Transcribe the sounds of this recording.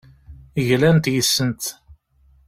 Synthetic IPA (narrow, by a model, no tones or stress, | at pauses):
ʝlænt̪jəsːənt̪